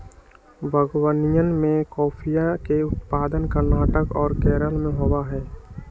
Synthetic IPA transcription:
bʱəɡwənijənmẽkɔːpʰijakeʊt̪paːd̪ənkəɾnaːʈəkɔːɾkɛːɾəlmẽɦowaɦɛː

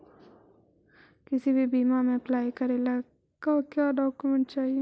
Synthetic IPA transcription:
kɪsibʱibiːmamẽɐplaːjkɐɾelaː | kakjaːɖɔːkjumɛ̃ɳʈ̚t͡ʃaːɦie

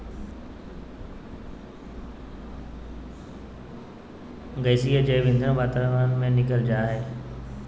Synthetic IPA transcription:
ɡəːsiəd͡ʑeːʋẽːnd̪̃ʱbaːt̪aːlʋaːnmẽnɪkəld͡ʑaːɦeː

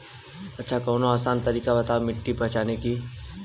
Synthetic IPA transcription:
ɐtːʃʰakɔːnoaːsaːnt̪ɐɾiːkabɐt̪aːmɪʈːipɐɦt͡ʃaːneki

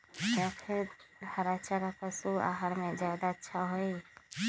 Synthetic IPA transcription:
japʰiɾhəɾat͡ʃaɾakʰəsua̰ɦaɾmẽd͡ʒjad̪aətːʃʰaɦoi

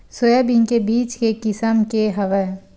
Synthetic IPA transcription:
sojabiŋkebiːt͡ʃkekɪsəmkeɦɐʋə

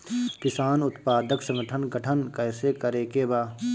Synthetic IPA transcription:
kɪsaːnʊt̪paːd̪əksə̃ŋɡəʈʰənɡəʈʰənkɛːsekəɾeːkebaː

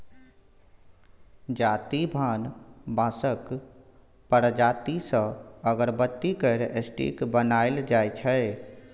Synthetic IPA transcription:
d͡ʒaːt̪ibʱaːnbãːsək | pəɾd͡ʒaːt̪isə̃əɡəɾbət̪ːikəɾesʈḭːkbənaːɪld͡ʒaːet͡ʃʰɛe

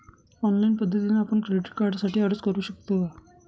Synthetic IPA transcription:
ɔnlainpəd̪ʱːət̪inaːpəɳkɾeɖiʈ̚kaɾɖsaʈiːəɾəskəɾuːɕək̚t̪oʋa

